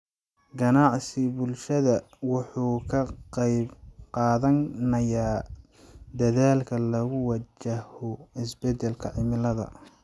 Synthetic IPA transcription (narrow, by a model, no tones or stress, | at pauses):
ɡɐnɑʕsɪbʊlʃɐðɐ | wɑħuːkʰɐqɛjbqɑːðɐnnɐjaː | d̪ɐðaːlkʰɐlɐɣʊwɐt͡ʃɐhɔɪsbɛd̪ɛlkʰɐʕɪmɪlɐðɐ̰